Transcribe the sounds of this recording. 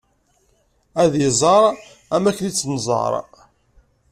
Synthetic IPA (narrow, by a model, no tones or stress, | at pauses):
æðjəzˤɑɾˤ | æmækːənit͡sːnzˤɑ̰ɾˤ